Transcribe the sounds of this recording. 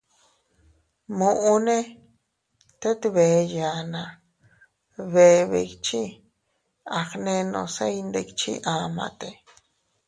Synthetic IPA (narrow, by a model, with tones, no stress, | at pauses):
mũ˧ʔu˧nẽ˦ | t̪e˦t̪βe˨˧ja˨nã˧ | βe˨˧βḛ˧kt͡ʃi˦ | a˨xnẽ˧nõ̰˧se˦jnd̪e˧kt͡ʃḭ˦ʔã˧mã̰˧t̪e˧